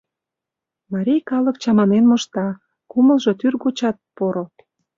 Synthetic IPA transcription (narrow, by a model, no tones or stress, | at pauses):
mɑɾʲijkɑlə̆kt͡ɕɑmɑnenmoʃt̪ɑ | kuməlʒo̽t̪yrɣot͡ɕɑt̪̚poɾo